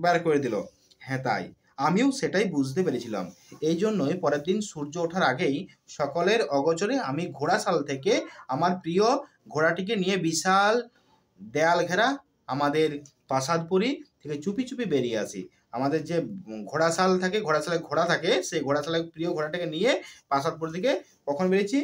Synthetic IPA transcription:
bɛɾkoɾed̪ilo̰ | hɛ̃t̪a̰j | amioʃeʈajbud͡ʑʱt̪epeɾet͡ɕʰila̰m | ejd͡ʑonːoepɔɾed̪inʃuɾd͡ʑooʈʰaɾaɡej | ʃɔkoleɾɔɡot͡ɕoɾeamiɡʱoɽasalt̪ʰekeamaɾpɾio | ɡʱoɽaʈik̬enijebiʃal | d̪ealɡʱɛɾa | amad̪eɾ | pasad̪̚poɾit̪ʰeket͡ɕupit͡ɕupibeɾieat͡ɕʰḭ | amad̪eɾd͡ʑeɡʱoɽasalt̪ʰakeɡʱoɽasʰaleɡʱoɽat̪ʰakeʃejɡʱoɽasʰalepɾioɡʱoɽaʈekenijepasad̪̚poɾit̪ʰeke | kɔkʰonbeɾet͡ɕʰi

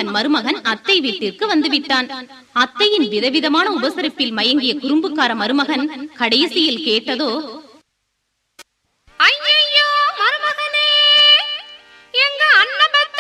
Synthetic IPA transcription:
ɐnmɐɾɯmɐɣɐnɐt̪ːɐɪʋiːʈːɪrkɯʋɐnd̪ɯʋɪʈːaːn | ɐt̪ːɐjɪnʋɪðɐʋɪðɐmaːnɐʊbɐsɐɾɐpːɪlmɐjɐŋɡɪjɐkʊɾɯmbɯkːaːɾɐmɐɾɯmɐɣɐnkɐɽɐjsɪjɪlkeːʈːɐðoː | ɐjːɐjoːmɐɾɯmɐɣɐneː | ɛŋɡɐɐnːɐbɐt̪ː

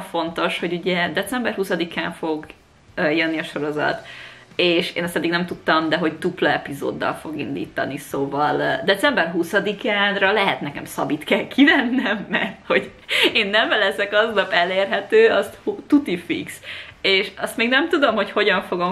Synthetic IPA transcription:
fo̞nt̪o̞ʃho̞ɟuɟɛd̪ɛt̪sɛmbɛrhusɒd̪ikaːɱfo̞ɡ | jønːiɒʃo̞ɾo̞zɒ̰t̪eːʃḛːnɛst̪ɛd̪ːiɡnɛmt̪ut̪ːɒmd̪ɛɦo̞ct̪uplɛɛpizo̰ːd̪ːɒ̰lfo̞ɡḭnd̪ḭːt̪ɒ̰nisoːvɒld̪ɛt̪sɛmbɛrɦusɒd̪ikaːnrɒlɛɦɛt̪nɛkɛmsɒbit̪kɛlkʰivɛnːɛmːɛrt̪ho̞ɟ | eːnːɛɱvɛlɛsɛkɒznɒpɛleːrɦɛt̪øːɒst̪hut̪ut̪ifḭkseːʃɒst̪meːɡnɛmt̪ud̪o̞mho̞cho̞ɟɒɱfo̞ɡo̞m

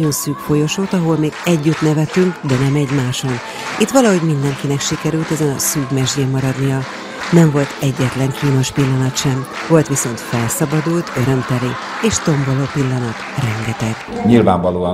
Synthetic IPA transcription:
o̞nsyːkfo̞jo̞ʃoːt̪ɒɦo̞lmeːɡ̥ɛɟːyt̪nɛvɛt̪yŋkd̪ɛnɛmɛɟmaːʃo̞n | it̪ʋɒlɒɦo̞ɟmin̪d̪ɛŋkinɛkʃikɛɾylt̪ɛzɛnɒsyːɡmɛʒɟeːmːɒɾɒd̪nijɒ | nɛɱvo̞lt̪ɛɟːɛt̪lɛŋkʰiːno̞ʃpilːɒnɒt̪ʃɛm | vo̞lt̪ʋiso̞nt̪fɛlsɒbɒd̪ult̪ʰø̞ɾø̞mt̪ɛli | eːʃt̪o̞mbo̞loːpilːɒnɒt̪rɛŋɡɛt̪ɛɡ | ɲilvaːɱvɒloː

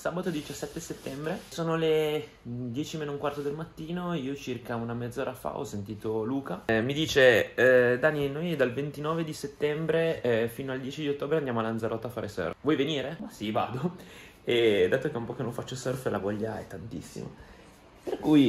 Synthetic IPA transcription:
sabat̪od̪it͡ʃasːɛt̪ːeset̪ːɛmbɾesoːnole | d̪jɛːt͡ʃimenouŋkwart̪od̪elmat̪ːiːnoiːot͡ʃirkaunamed̪zːoːɾafa̰ɔ̰sːent̪iːt̪oluːkamid̪iːt͡ʃe | d̪anːinojd̪alvent̪inɔːved̪iset̪ːɛmbɾefiːnoald̪jɛːt͡ʃid̪iot̪ːoːbɾeand̪amoalːand̪zaɾʔɔt̪ːafaːɾesø̰ːrvwɔjveniːɾemasiva̰ːd̪o | ed̪aːt̪okeumpɔkenõfat͡ʃːosørfla̰vɔʎːaɛ̰t̪ːant̪ḭsːḭma̰ | perkuj

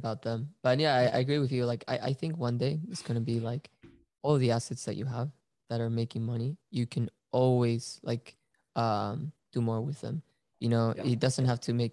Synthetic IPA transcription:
əbaʊt̪̚ðə̃mb̥ʌt̚jæaɪa̰ɪɨɡɹiwɨðjɨlaɪka̰ɪʔa̰ɪθɪ̃ŋkwʌ̃ndeɪɨtsɡ̥ʌnɨbilaɪk | ɔlˠʌvðiæsɨtsðɨ̰t͡ʃɨ̰əv | ðɨɾə˞meɪkɪ̃ŋmʌñijɨkʰɨ̃n | ʔɔlˠwiz̥la̰ɪk | ʔʌ̃md̥ɨmɔɹwɪðə̰̃m | jɨnoʊɪt̚d̥ʌzɨ̃nt̚ɦæftʰɨmeɪk

